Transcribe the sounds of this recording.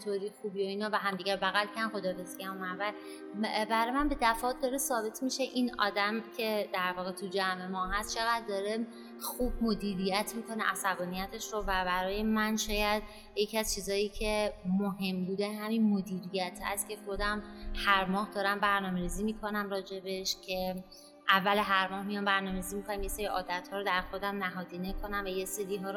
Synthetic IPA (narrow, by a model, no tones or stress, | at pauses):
et̪ʰoɾixuːbioiːnɒːvæɦæmd̪iːɡæɾbæɣælcʰænxo̞d̪ɒːɾesɡænomævæ | bæɾɒːjemænbe̞d̪æfɒːt̪̚d̪ɒːɾesɒːbe̞t̪ʰmiʃe̞ʔinɒ̰ːd̪æmcʲʰe̞d̪æɾvɒːɣet̪ʰud͡ʒæmemɒːɦæst̪t͡ʃʰe̞ɣæd̪d̪ɒːɾe | xuːb̚mo̞d̪iːɾijæt̪ʰmikʰo̞neʔæsæbɒːnijæt̪ʰe̞ʃɾovæbæɾɒːje̞mænʃɒːjæd̪̥ | je̞cʰiæzt͡ʃʰiːzɒːjiːcʰe̞moɦe̞mbuːd̪eɦæminmod̪iːɾijæt̪ʰhæ̰st̪cʰe̞xo̞d̪æmhæɾmɒːhd̪ɒːɾæmbæɾnɒːme̞ɾiːziːmiːkʰo̞næmɾɒːd͡ʒe̞be̞ʃcʰe̞ | ʔævːæleɦæɾmɒːhmijɒmbæɾnɒːme̞ɾizimikʰonæmje̞se̞ɾiʔɒːd̪æt̪hɒːɾod̪æɾxo̞d̪æmnæɦɒːd̪inekʰo̞næmvæje̞seɾiːɦɒːɾ